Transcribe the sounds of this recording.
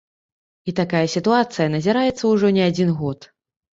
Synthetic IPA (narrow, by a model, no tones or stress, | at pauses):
it̪akajɐsʲit̪uat̪sɨjɐnɐzʲiɾajɛt̪sːɐwʐɔnʲɛad͡zʲinɣɔt̪